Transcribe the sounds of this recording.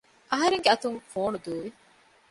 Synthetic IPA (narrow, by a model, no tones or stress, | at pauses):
ʔɐɦɐɾeŋɡeɐt̪uŋfoːnud̪uːʋi